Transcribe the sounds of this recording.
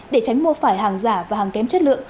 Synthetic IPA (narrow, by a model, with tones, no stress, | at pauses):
ɗe˧˩t͡ɕa˨˦jŋ̟mo˧əfaː˧˩jɦaː˨˩ŋzaː˧˩vaː˨˩haː˨˩ŋkɛ˨˦mt͡ɕə˦˥t̚lɨ̰˧˨əŋŋ